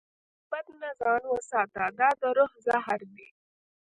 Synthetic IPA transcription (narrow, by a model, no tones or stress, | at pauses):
b̥ad̪nazɑːnwəsɑːt̪ad̪ɑːd̪əɾʊhzaɦaɾd̪i